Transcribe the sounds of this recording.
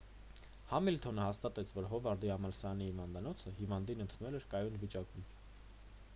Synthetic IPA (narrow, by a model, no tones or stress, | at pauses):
hɑmilt̪ʰɔnəhɑst̪ɑt̪ɛt͡sʰvɔɾɦɔvɑɾd̪iɑmɑlsɑɑnihivɑnd̪ɑnɔt͡sʰəhivɑnd̪inənt̪ʰunɛlɛɾkɑjunvit͡ʃɑkum